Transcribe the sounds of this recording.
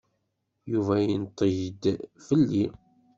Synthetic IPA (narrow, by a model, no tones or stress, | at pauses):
juvæjənt̪ˤːəjd̪fəlːi